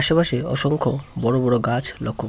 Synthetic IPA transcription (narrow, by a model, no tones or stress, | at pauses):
aʃopaʃeɔ̰ʃoŋkʰobɔɽobɔɽoɡat͡ɕʰlɔkʰːo